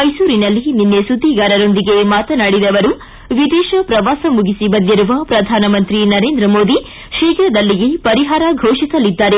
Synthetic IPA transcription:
mɐjsuːɾinɐlːininːesud̪ʱːiɡaːɾɐɾo̞nd̪iɡemaːt̪ɐnaːɽid̪ɐʋɐɾu | ʋid̪ɛːʃɐpɾɐʋaːsɐmuɡisibɐd̪ːiɾuʋɐpɾɐd̪ʱaːnɐmɐnt̪ɾinɐɾeːnd̪ɾɐmoːd̪i | ʃeːkɐɾɐd̪ɐlːiɡe̞pɐɾiɦaːɾɐɡʱɐwʂisɐlid̪ːaːɾe

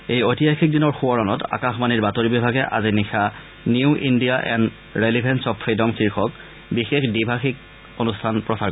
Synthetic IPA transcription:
ejojtijajxik̚dinɔɹxuɔɹɔnɔta̰kaxmaniɹbatoɹibibʱaɡɛʔa̰zinixʰa | niʊʔindijaʔɛ̰n | ɹelibʱɛnsɔpʰːɹidɔmkʰiɹxɔk | bixexdibʱaxik̚ | onustʰanpɹɔsa

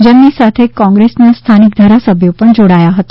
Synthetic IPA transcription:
d͡ʒəmnisat̪ʰekɔ̃ŋɡɾesnast̪ʰanik̚d̪ʱaɾasəbʱjopəɳd͡ʒoɽajaɦət̪a

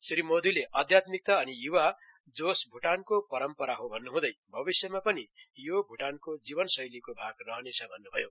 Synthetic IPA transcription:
sɾimod̪ileʔʌd̪ʱjat̪mik̚t̪aʌnijuwa | d͡zosbʱuʈankopʌɾʌmpʌɾaɦobʱʌnːuɦũd̪ʌjbʱʌbisjʌmapʌnijobʱuʈankod͡zibʌnsʌjlikobʱaɡrʌɦʌnet͡sʰʌbʱʌnːubʱʌjo

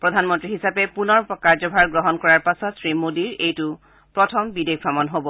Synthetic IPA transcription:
pɹɔdʱanmɔntɹiɦisapɛpunɔɹɔkaɹzɔbʱaɹɡɹɔɦɔnkɔɹaɹpasɔtsɹimodiɹejtʊ | pɹɔtʰɔmbidek̚pɹamɔnɦobɔ

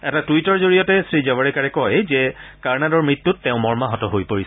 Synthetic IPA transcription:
ɛtatuitɔɹzoɹijɔtɛsɹizɛbɔɹɛkaɹɛkɔjzɛkaɹnadɔɹmɹit̪ːutːɛʊ̃mɔɹmaɦɔtɔɦojpoɹis

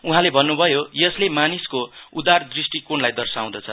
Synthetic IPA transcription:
uɦãlebʱʌnːubʱʌjojʌslemaniskoud̪ard̪risʈikonlajd̪ʌrsaw̃d̪ʌt͡sʰʌ

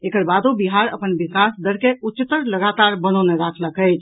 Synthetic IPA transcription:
ekəɾbad̪obiɦaɾə̰pənbikasd̪əɾkeutːt͡ʃt̪əɾləɡat̪aɾbəñəneɾakʰləkəjt͡ʃʰ

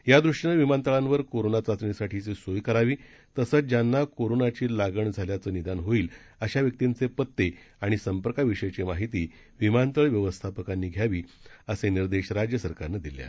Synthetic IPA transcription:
jad̪ɾuʂɳəʋimant̪əɭãnʋəɾkoɾonat͡sat͡sɳisaʈʰiːt͡sesojkəɾaʋiː | t̪əsət͡sd͡ʑanːakoɾonat͡ɕiːlaɡəɳd͡zʱaljat͡səːnid̪anɦoiːl | əɕaʋjək̚t̪int͡sepət̪ːe | aɽ̃isəmpəɾkaʋiɕəjt͡ɕemaɦit̪iː | ʋimant̪əɭʋjəʋəst̪ʰapəkanːiːɡʱjaʋiːəseniɾd̪eɕɾad͡ʑjəsəɾkaɾnad̪ilja̰

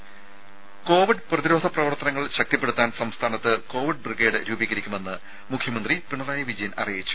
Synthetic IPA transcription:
ko̞ːʋiɖprɐðiɾo̞ːd̪ʱɐprɐʋɐrt̪ːɐnɐŋːɐɭɕɐk̚t̪ɐpːeɽut̪ːaːnsɐmst̪ʰaːnɐt̪ːɨko̞ːʋiɖ̚briɡe̞jɽɨɾuːbiːɐɾikʲːume̞nːɨ | mukʰjɐmɐnd̪ripiɳːɐraːjɐʋid͡ʑɐjɐnɐ̰rijit͡ɕːu̥

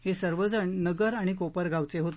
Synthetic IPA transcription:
hesəɾʋəd͡zəɳnəɡəɾaɽ̃ikopəɾɡʱawt͡seɦot̪

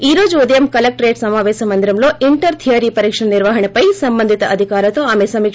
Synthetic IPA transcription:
iːɾoːd͡ʒud̪ɐjɐmkɐlɐk̚ʈɾeːʈsɐmaːʋeːsɐmɐnd̪ɾɐmloːʔiɳʈɐɾt̪ʰijaːɾipɐɾiːkʂɐɳɐniɾʋaɦɐɳɐpɐjsɐmbɐnd̪ʱit̪ɐʔɐd̪ʱikaːɾɐt̪oaːmesɐmiːk

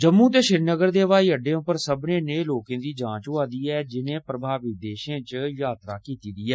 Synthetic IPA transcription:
d͡ʒəmːũːt̪̬eːʃɪɾnəɡəɾd̪eːʋaːiːəɖẽːʊpːəɾsəbnẽːneːloːkẽːd̪iːd͡ʒãːt͡ʃʊaːd̪iːɛːd͡ʒɪnẽːpɾəbʱaːʋɪd̪eːʃẽːt͡ʃjaːt̪ɾaːkiːt̪iːd̪iːɛː

